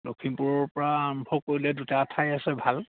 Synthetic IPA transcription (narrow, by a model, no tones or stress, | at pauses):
lokʰimpuɹɔɹpɔɹaaːɔmbʱɔkːoɹilɛdutaatʰajasɛbʱal